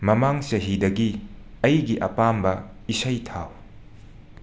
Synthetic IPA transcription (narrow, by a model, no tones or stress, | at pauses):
mɐmaŋsɐɦidɐɡiɐjɡiʔɐpambɐisɐjtʰaw